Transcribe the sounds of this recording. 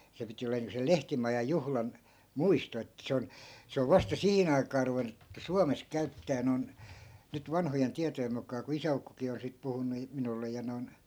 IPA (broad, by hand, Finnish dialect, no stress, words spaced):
se piti oleːn niːŋko sel lehtimɑjɑj̆ juhlɑn muisto etːæ se on se oʋ ʋɑstɑ sihin ɑi̯kɑː ruʋenˑu suɑmes kæytːæː non nyt ʋɑnhojen tiɑtojem mukˑɑː ku isæukːokiː on sit puhunːu minulːe jɑ noi̯n